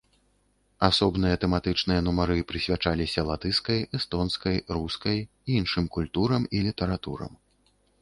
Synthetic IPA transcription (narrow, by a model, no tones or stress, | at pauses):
asɔbn̪ɨjɐt̪ɛmat̪ɨt͡ʂnɨjɐnumaɾɨpɾɨsʲvʲat͡ʂalʲisʲɐlˠat̪ɨskɐjʔɛst̪ɔnskɐjɾuskɐj | iinʂɨmkulʲt̪uɾɐmilʲit̪ɐɾat̪ṵɾɐ̰m